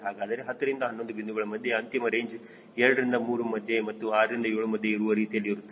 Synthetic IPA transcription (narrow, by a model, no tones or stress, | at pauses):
ɦaːɡaːd̪ɐɾeɦɐt̪ːɐɾind̪ɐɦɐnːo̞nd̪ubind̪uɡɐɭɐmɐd̪ʱjeɐnt̪imɐɾe̞ːɲd͡ʒ | ɛɾɽɐɾind̪ɐmuːɾumɐd̪ʱjemɐt̪ːuaːɾɐɾind̪ɐeːɭumɐd̪ʱjeiɾuʋɐɾiːt̪ijɐlːiiɾut̪ː